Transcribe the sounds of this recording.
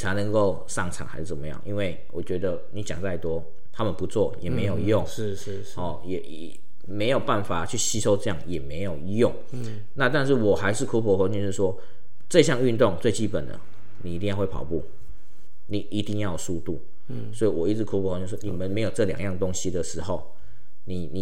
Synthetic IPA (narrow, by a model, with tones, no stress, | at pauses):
t͡sʰa˧˥ɪnə˧˥ŋko˥˧ʊ | sɑ˥˩ŋʈ͡ʂʰɑ̰˨˩ŋxa˧˥ɪʂɻ̩˥˩t͡sə˨˩mə˦jɑ̰˥˩ŋʔi˥nwe˥˩ɪwʔɔ̰˨˩t͡ɕɥɛ˧˥d̪ə˧ni˨˥t͡ɕjɑ̰˨˩ŋt͡sa˥˩ɪt̪wɔ˥ | t̪ʰa˥mə˨npu˧˦t͡sʰwɔ˥˩jɛ˨˩me˧˥ɪjo˨˩i˧˥jʊ˥˩ŋŋ˥˧˥ | ɔ˥˨˩jɛ˨˩˨ | me˧˥ɪjo˨˩pa˥˩nfa˨˩t͡ɕʰy˥˩ɕi˥ʂo˥ʊt͡sɤ˥˧jɑ˥˩ŋjɛ˨˩me˧˥ɪjo˨˩ʊi˧jʊ˥˩ŋ | na˥˧t̪a˥˧nʂ̬ɻ̩˥˩wɔ˨˩xa˧˥ɪʂɻ̩˥˧kʰu˥pʰɔ˧˥xwə˧˦nt͡ɕo˧ʂɻ̩˥˩ʂ̬wɔ˦˥ | t͡sɤ˥˧ɕ̬jɑ˥˧ŋy˥˧nt̪ʊ˥˨˧ŋt͡swe˥˩ɪt͡ɕi˥pə˨˩nd̪ə̰˩ | ni˨˩i˧t̪i˥˧ŋjxwe˥˩ɪpʰɑ̰˨˩ʊpṵ˥˩ | ni˨˩i˧˥t̪i˥˧ŋjɑ˥˩ʊsu˥˧t̪u˥˩ | swɔ˧˥i˨wɔ˨˩i˥t͡s̩˧˥kʰu˥pʰɔ˧˦xnt͡ɕo˥˧˩wɔ˥ni˨˩mə˨nme˧˥ɪjo˨˩ʊʈ͡ʂɤ˥˩ljɑ̰˨˩ŋjɑ˥˩ŋt̪o˦˥ŋɕi˧d̪ə˨ʂɻ̩˧˥xo˥˩ʊ | ni˨˩ni˨˩